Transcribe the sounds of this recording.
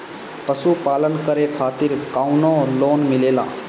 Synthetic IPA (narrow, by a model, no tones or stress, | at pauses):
pəsupaːlənkəɾekʰaːt̪ɪɾkaːʊnõloːnmɪleːlã̰ː